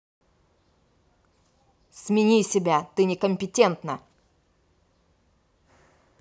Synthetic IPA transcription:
smʲɪnʲisʲɪbʲat̪ɨnʲɪkəmʲpʲɪtʲe̞nt̪nə

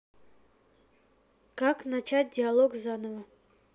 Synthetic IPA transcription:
kaknat͡ʃat̚ʲdʲɪalˠoɡzanəvə

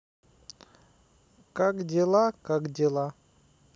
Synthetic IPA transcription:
kakdʲɪlˠakakdʲɪlˠa

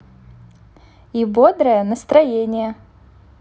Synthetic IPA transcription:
ibod̪ɾəjənəst̪ɾɐjenʲɪjə

